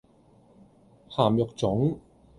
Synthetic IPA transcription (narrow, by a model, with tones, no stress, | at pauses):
haː˨˩mjɔ˨k̚t͡sʊ˨˥ŋ